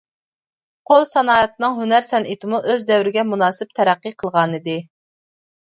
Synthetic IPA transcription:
qʰolˠsɑnɑːɛt̪nɨŋɦynæɾsɛnʔit̪ʰɪmuʔøzd̪ɛwɾɪɡʲɛmunɑːsɪp̚t̪ʰɛɾæqːiqʰəlˠʁɑnɨd̪ɨ

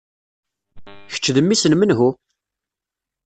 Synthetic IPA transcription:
çə̥t͡ʃːðəmːisənmənɦu

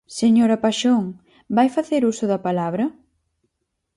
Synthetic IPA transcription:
seɲoɾɐpaʃoŋ | bajfaθeɾusʊðɐpalaβɾɐ

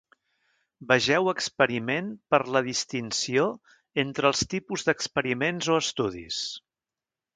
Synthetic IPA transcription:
bəʒɛwəkspəɾimenpəɾləðist̪insio | ent̪ɾəːlˠst̪ipuzd̪əkspəɾimenzoəst̪uðḭs

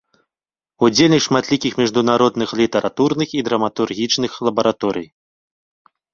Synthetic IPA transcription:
ud͡zʲelʲnʲiʂmat̪lʲikʲixmʲiʐd̪unaɾɔd̪nɨxlʲit̪ɐɾʔat̪urnɨxid̪ɾɐmat̪urɣʲit͡ʂnɨxlˠɐbɐɾat̪ɔɾɨ̰j

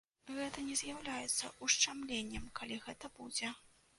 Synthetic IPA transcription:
ɣɛt̪ɐnʲɛzʲjawlʲajɛt̪sːɐ̰ʔuʂt͡ʂamlʲenʲːɛmkalʲiɣɛt̪ɐbud͡zʲɛ

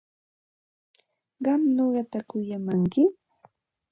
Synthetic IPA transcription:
ɢɑmnoɢɑt̪akʊjamaŋkɪ

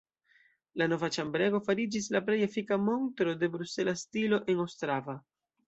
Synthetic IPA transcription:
lano̞vat͡ʃambɾe̞ɡo̞faɾid͡ʒislaple̞jefikamo̞ntɾo̞de̞bɾuse̞lastilo̞ʔe̞nowstɾava

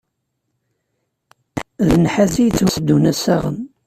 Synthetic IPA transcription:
ðənħæzijt͡sːhəsd̪ːunæsæʁən

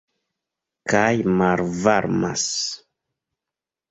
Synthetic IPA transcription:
kajmaɾvaɾma̰s

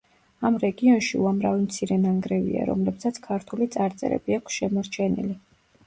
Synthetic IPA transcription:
amɾɛɡiɔnʃiuamɾavimt̪sʰiɾɛnaŋɡɾɛvḭa̰ɾɔ̰mlɛpsat̪sʰkʰaɾt̪ʰulit̪sʼaɾt̪sʼɛ̰ɾɛ̰biakʰsʃɛmɔɾt͡ʃʰɛnḭli

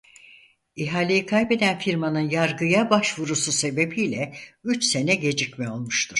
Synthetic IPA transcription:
iɦaːlʲejikʰajbe̞d̪ænfiɾmanɯnjaɾɡɯjabaʃvuɾususe̞be̞biːlʲɛyt͡ʃse̞nɛɟe̞d͡ʒicmɛo̞lˠmuʃt̪ʰuɾ̥

